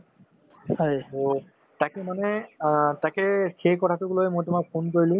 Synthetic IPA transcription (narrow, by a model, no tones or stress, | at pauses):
hɔjo | takɛmanɛtakɛxʰekɔtʰatʊɡulojmojtʊmak̚pʰonkoɹilʊ̃